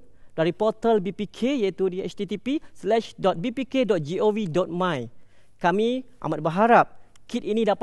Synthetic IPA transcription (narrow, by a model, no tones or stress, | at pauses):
daɾipɔt̪əlbipikʰejait̪udiɛ̰t͡ʃt̪it̪ipislɛʃdɔt̪̚bipikedɔt̪̚d͡ʒiowidɔt̪̚mãj | kamiʔa̰mat̚bəɦaɾap̚ | kit̪̚inĩdap